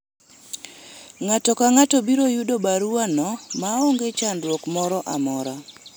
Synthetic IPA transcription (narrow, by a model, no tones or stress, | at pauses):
ŋatɔkaŋatɔbiɾojudobaɾuanɔmaoŋɡet͡ʃandɾwokmɔɾɔʔamɔɾa